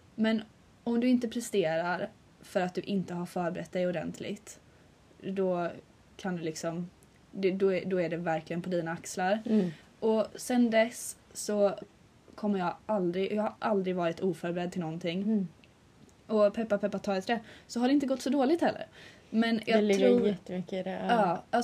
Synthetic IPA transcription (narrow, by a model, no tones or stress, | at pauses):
mɛn | ɔmd̪ɵɪnt̪əpʰɾɛst̪eːɾaɾ | fœɾat̪̚d̪ɵʔɪnt̪əɦaɾfœːɾbɛɾɛt̪̚ːd̪ɛjɔd̪ɛ̰nt̪ʰlɪ̰ɡt̪ | d̪ɔ | kʰand̪ɵlɪksɔm | d̪ɛd̪ɔd̪ɔæɖɛvæɾklɪɡənpʰɔd̪iːnaakslaɾ | ʔɔsɛnd̪ɛsːɔ | kʰɔmːəjɑɡald̪ɾɪɡjɑːɡhaɾʔald̪ɾɪɡvɑːɾɪt̪uːfœːɾbɛɾɛd̪̚t̪ɪnɔnt̪ʰɪŋː | ɔpʰɛpːapʰɛpːat̪ʰɑːɡt̪ʰd̪ɛsɔɦaɾɖɛɪnt̪əɡɔt̪ːsɔd̪oːlɪɡt̪hɛlːə̰ɾ | mɛnjʔɑɡ̪ʰɛt̪ːəʏkːəd̪ɛɑːa